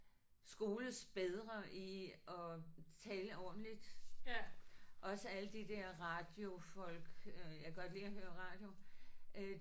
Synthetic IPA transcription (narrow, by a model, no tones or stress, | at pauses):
sɡ̥o̝ːləsb̥eð̞ˠʁɐʔiʔɒ̽t͡sʰɛːləɒ̰ːd̥n̩lid̥ | ʔɒ̽səæləd̥id̥æɐ̰ʁɑ̈d̥jo̝fɒ̽l̰ɡ̥jɑɡ̥ɒ̽d̥liːɒ̽ɦøːɐʁɑ̈ːd̥jo̝